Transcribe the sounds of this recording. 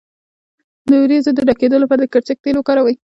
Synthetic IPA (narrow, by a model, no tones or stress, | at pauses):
d̪əwɾizod̪əɖaked̪əlopəɾd̪əkəɾt͡sək̚t̪elokɑɾawəj